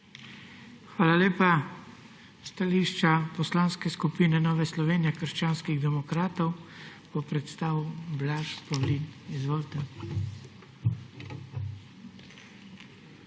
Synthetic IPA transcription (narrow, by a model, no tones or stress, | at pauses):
xʋaːlaleːpa | st̪aliʃt͡ʃapɔslaːnskɛskupiːnɛnɔːʋɛslɔʋeːnijɛkəɾʃt͡ʃaːnskiɣd̪ɛmɔkɾaːt̪ɔwb̥ɔpɾɛt̪st̪aːʋublaʃpɔwlinizʋoːlt̪ɛ